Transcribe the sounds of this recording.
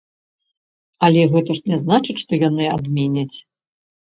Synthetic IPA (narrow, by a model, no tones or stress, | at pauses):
ɐlʲɛɣɛt̪ɐʂnʲɛznat͡ʂɨt͡sʲʂt̪ɔjanɨad̪mʲɛnʲɐt͡sʲ